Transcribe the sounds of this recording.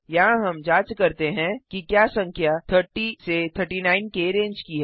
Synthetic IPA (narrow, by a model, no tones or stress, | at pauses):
jɐɦãɦɐmd͡ʒaːt͡ʃkɐɾt̪eɦɛ̃kikjaːsɐ̃ŋkʰjat̪ʰəɾʈiset̪ʰəɾʈinaːɪnkeɾẽːnd͡ʒkiɦɛː